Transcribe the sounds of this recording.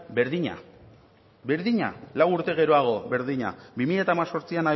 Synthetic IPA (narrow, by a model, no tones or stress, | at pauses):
beɾðiɲa̰ | be̞ɾðiɲa̰lawuɾt̪e̞ɣ̞e̞ɾo̞aɣ̞o̞βe̞ɾðiɲa̰bimiʎat̪aːmaso̞ɾt͡siana